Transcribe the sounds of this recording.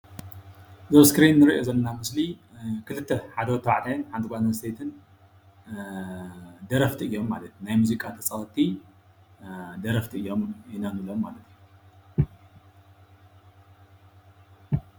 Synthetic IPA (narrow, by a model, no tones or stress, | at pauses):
zɐβskɾinːɨɾiʔozɐlːnamɨsli | kʰɨlɨt̪ʰːeħad̪ɐwt̪ʰːɐwaʕt̪ʰajɨnħant̪ʰɨkʷajnɐst̪ʰet̪ʰɨn | d̪ɐɾɐft̪ʰiɨjːo̞mːa̰lɐt̪unajmuzikʼat̪ʰɐt͡sʼɐwɐt̪ʼʰːi | d̪ɐɾɐft̪ʰiɨjːo̞minanɨlomːalɐt̪ʰɨju